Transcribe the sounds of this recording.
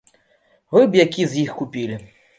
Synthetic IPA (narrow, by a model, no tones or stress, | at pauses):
vɨbjakʲizʲjixkupʲilʲi